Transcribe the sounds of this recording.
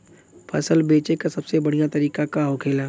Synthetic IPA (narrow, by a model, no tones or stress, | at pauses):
pʰɐsəlbeːt͡ʃekasɐbsebɐɽ̤ijãt̪ɐɾiːkakaɦokʰeːlaː